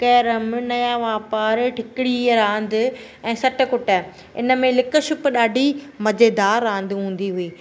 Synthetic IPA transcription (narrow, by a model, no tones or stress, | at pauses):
kɐːɾəmnɐjaʋaːpaːɾʈʰɪkɪɽiɾãːnd̪ɪ | ɛ̃ːsɐʈə̆kʊʈa | ɪ̰nə̆mẽlɪkə̆ʃʊpɗaːɖʱimɐd͡ʑeːd̪aːɾːãːnd̪ɦũːn̆d̪iɦʊiː